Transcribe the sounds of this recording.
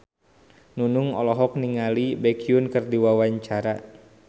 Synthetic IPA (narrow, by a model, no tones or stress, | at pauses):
nunuŋɔlɔɦɔk̚niŋalibɛkiunkɨrdiwawaɲt͡ʃaɾa